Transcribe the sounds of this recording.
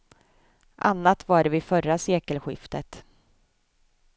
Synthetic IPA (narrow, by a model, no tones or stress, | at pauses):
ʔanːat̪vaɖvɪfœraseːkəlɧɪ̰ft̪ət̪